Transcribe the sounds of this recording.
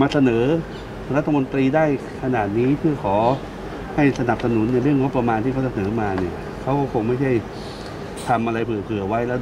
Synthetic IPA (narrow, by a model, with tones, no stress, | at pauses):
maː˧sa˧nɤː˩˦ | ɾa˦˥t̪ʰːa˧mo˧nt̪ɾiː˧daː˥˩j | kʰa˧naː˨˩t̪̚niː˦˥pʰɯ˥˩ɐkʰɔː˩˦ | ha˥˩jsa˧na˨˩p̚sa˧nu˩˦nːa˧jɾɯ˥˩əŋo˦˥pːɾa˧maː˧nt̪ʰiː˩a˦˥t͡ɕa˧˩sa˩nɤː˩˦maː˧ni˥˩ɐ | kʰa˦˥wkɔː˥˩kʰo˧ŋma˥˩jt͡ɕʰa˥˩j | t̪ʰa˧mʔa˧ɾa˧jpʰɯ˨˩əpʰɯ˨˩ɐwa˦˥jlɛ˦˥